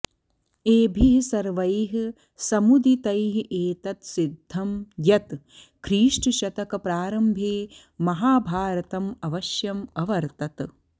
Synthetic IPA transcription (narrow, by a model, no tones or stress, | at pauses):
eːbʱiɦsɐɾʋɐjɦ | sɐmud̪it̪ɐjɦʔeːt̪ɐt̪sid̪ʱːɐmjɐt̪ | kʰɾiːʂʈʃɐt̪ɐkɐpɾaːɾɐmbʱeː | mɐɦaːbʱaːɾɐt̪ɐmɐʋɐʃjɐmɐʋɐɾt̪ɐt̪